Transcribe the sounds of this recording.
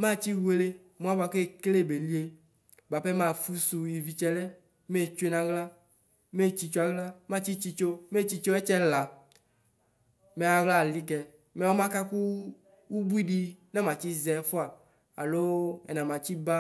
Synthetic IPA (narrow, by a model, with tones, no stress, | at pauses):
mã˦˨t͡ɕi˦wu˦e˦le˦ | mũ˨˦a˦ba˨ke˦˨kle˦˨be˨li˦e˦ | ba˨pɛ˦mã˦˨fu˦su˨ji˨vi˨t͡ʃɛ˦lɛ˦ | me˦˨t͡ʃu˦e˦nã˨ɣla˦ | me˦t͡ʃi˧t͡ʃo˦a˨ɣla˦mã˦˨t͡ɕi˦t͡ʃi˧t͡ʃo˦me˦˨t͡ʃi˦t͡ʃo˦ɛ˦t͡ʃɛ˦la˨ | mɛ˨a˨ɣla˦˨li˦kɛ˨ | mɛ˨wɔ˦mã˦ka˦ku˦ | wu˦bu˦i˦ɖi˦nɛ˦mã˨t͡ɕi˦zɛ˨˦fo˦a˨ | a̰˨lo˦ɛ̰˨nã˨mã˨t͡ɕi˦ba˦